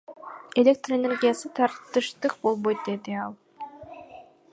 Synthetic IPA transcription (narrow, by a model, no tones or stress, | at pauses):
elʲek̚t̪rəenʲe̞rɡʲijasɯt̪ʰɑɾt̪ːɯʃt̪ɯq̚bo̞lˠbo̞jt̪̚d̪e̞d̪iɑlˠ